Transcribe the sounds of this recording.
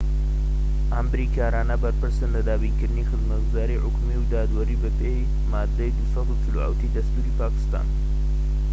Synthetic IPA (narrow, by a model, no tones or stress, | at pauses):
ambɾikaːɾaːnabɐɾpɨɾsənlɐd̪aːbinkəɾnixəzmɐt̪̚ɡuzaːɾiʕʊkmiwd̪aːd̪wɐɾibəpe | maːd̪ejd̪usɐxut͡sʰuloa̰wt̪ʰid̪ɐst̪uɾipaːki̥st̪a̰ːn